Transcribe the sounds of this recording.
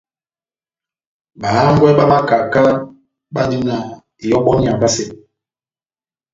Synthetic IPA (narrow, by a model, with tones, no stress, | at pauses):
ɓa˨˦ŋ˦ɡwɛ˦ɓa˦ma˦ka˨ka˦ | ɓa˦ni˦na˨ | i˨jɔ˦ɓɔ˦ni˦˨a˨ba˦se˨